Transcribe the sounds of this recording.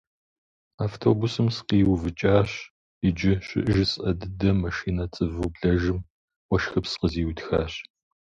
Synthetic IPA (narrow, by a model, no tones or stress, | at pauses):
aːftʰoːbusɨmsqiːwvɨt͡ʃʼaːɕ | ɪd͡ʒɪɕɪ̰ʔʒɪsʔɐdɨdɐmɐʃiːnɐt͡sʼɨvubɮɐʒɨm | wɔʃxɐpsqəziːwtʰxa̰ːɕ